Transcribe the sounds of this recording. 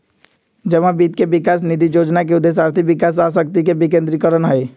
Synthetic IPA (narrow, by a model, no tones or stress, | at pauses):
d͡ʒəʋãbiːt̪̚kebɪkaːs̬nid̪ijoːd͡ʒnakeʊd̪ːeːs̬aːɾt̪ʰikʋɪkaːs̬aːs̬ək̚t̪ik̬ebɪkẽːnt̪ɾikəɾənɦɛe